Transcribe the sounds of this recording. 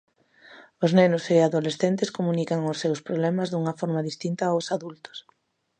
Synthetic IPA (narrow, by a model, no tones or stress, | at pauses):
ʊznenʊseaðolesθent̪ɪskomunikɐŋʊsːewspɾoβlɛmɐzðuŋɐfɔɾmɐðist̪int̪aosaðult̪ʊ̥s